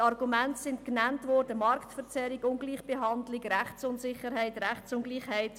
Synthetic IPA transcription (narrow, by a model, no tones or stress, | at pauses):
ɑrɡumɛntsɪntknæntʋɔːɾdəmɑɾktfəɾt͡sɛɾɪɡʊnɡliːχb̥eɦɑndlɪɡɾæχt͡sʊntsɪχəɾhɛɪtɾæχt͡sʊnɡliːχhɛɪt